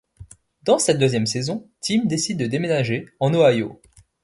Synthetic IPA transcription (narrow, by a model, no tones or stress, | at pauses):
d̪ɑ̃sɛt̪̚d̪øzjɛmsezɔ̃t̪imd̪esid̪̚ːəd̪emenaʒeɑ̃noajo̰